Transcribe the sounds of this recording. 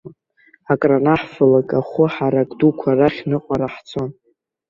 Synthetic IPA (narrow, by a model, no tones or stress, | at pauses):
akʼranaħfalakʼaχʊħaɾakʼdukʷʰaraχʲnɨqʼaɾaħt͡sʰo̞n